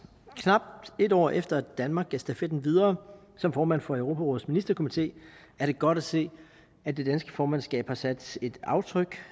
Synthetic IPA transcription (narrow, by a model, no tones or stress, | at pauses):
kʰnɑ̈b̥̚e̝dɒ̰ːʔefd̥ɐæd̥ænmɑ̈ːɡ̥æsd̥æfed̥n̩ʋið̞ˠɐː | sɒ̽mfɒːmæn̰fɒ̽əʊʁo̝ːpʰæʁɔ̰ːð̩ˠsminisd̥ɐkʰomit͡sʰe̝̰ː | æɐɾ̥e̝ɡ̥ɒ̽ɾ̥æse̝̰ː | æ̥ːe̝d̥ænsɡ̥əfɒːmænsɡ̥ɛ̰ːb̥hɑ̈sæd̥se̝d̥ɑ̈ʊt͡sʰʁœɡ̥